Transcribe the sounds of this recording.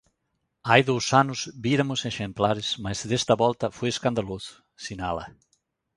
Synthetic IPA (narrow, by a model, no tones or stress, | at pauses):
ajðowsanʊzbiɾɐmʊseʃẽmplaɾɪsmɐzd̪est̪ɐβɔlt̪ɐfojeskãnd̪alosʊ̥ | sinalɐ̰